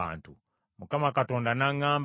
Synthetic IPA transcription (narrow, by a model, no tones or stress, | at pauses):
a̰ntṵ | mukamakatɔndanaŋam